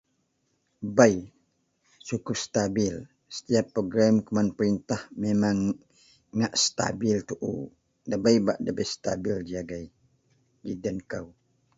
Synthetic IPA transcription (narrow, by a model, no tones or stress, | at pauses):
baj | t͡ʃukupst̪abɪl | sə̥t̪iapːoɡɾamkəmanpəɾint̪ahmemaŋː | aʔsət̪a̰bɪlt̪uʔṵ | dəbajbaʔdəbəjst̪a̰bild͡ʒiaɡaj | ɡidənkaw